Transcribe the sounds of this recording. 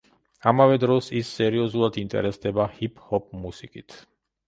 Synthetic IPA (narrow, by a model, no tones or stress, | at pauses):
amavɛd̪ɾɔsisːɛɾiɔzulˠad̪int̪ʼɛ̰ɾɛsd̪ɛbahipʰʼhɔp̚ʰʼmusikʼit̪ʰ